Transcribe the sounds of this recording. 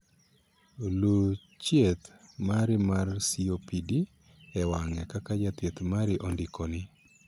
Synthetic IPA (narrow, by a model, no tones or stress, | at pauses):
lu | t͡ʃjet̪maɾɪmarsiopidi | ɛwaŋɛkakad͡ʒat̪jet̪maɾɪʔondikonɪ